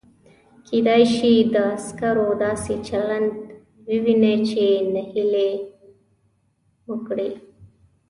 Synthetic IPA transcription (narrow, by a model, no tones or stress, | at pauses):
kʰed̪ajʃid̪əːskaɾod̪ɑːset͡ʃaland̪ | wiwinet͡ʃenəhile | wəkɽe